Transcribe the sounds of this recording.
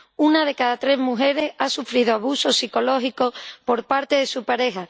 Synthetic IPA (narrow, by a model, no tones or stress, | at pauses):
unað̞e̞kaðat̪ɾe̞zmuɦe̞ɾe̞sasufɾiðoaβuso̞siko̞lo̞xiko̞po̞ɾpaɾt̪e̞ðe̞supaɾe̞ɦa